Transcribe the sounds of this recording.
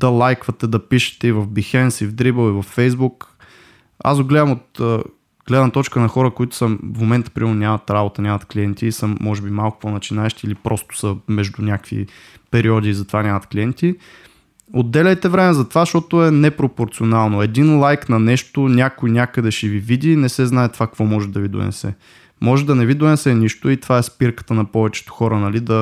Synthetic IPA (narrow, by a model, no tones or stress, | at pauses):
d̪̥ɐlˠajkvɐt̪ɛd̪ɐpiʃɛ̥t̪ɛivɐvbixɛnsivd̪ɾibəlˠivɐfːɛjzbuk | a̰sɡʊɡlɛd̪əmot̪ə | ɡ̥lɛd̪nɐt̪ɔt͡ʃkənɐxɔɾəkʊit̪ʊ̥səfmomɛnt̪ə̥pɾimɛnʊnʲamɐt̪ɾabot̪ənʲamɐt̪kliɛnt̪iːsəmːɔʒɛbimalˠkʊ̥ponɐt͡ʃinaɛʃt̪iːlipɾʔɔst̪ʊ̥səmɛʒd̪unʲakvḭ | pɛɾiɔd̪iːzɐt̪ovanʲamɐt̪kliɛnt̪i | od̪ːɛlʲəjt̪ɛvɾɛmɛzɐt̪ovaʃɔt̪oɛnɛpɾopoɾt̪sionalˠnoɛd̪inlˠajknɐnɛʃt̪onʲakʊjnʲakəd̪ɛʃɛvivid̪ʲinɛsɛznaɛt̪vakkvɔmɔʒɛd̪ɐvid̪ʊ̰ɛ̰sɛ̰ | mɔʒɛd̪ɐnɛvid̪ʊɛsɛnʲiʃt̪ʊit̪ovaɛspiɾkə̥t̪ənɐpɔvɛt͡ʃɛ̥t̪ʊ̥xɔɾənɐlid̪ɐ